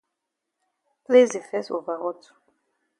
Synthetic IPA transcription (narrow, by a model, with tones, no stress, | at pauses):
ple˦ze˨fɛ˦so˨va˨ʁɔ˦tʰu̥˨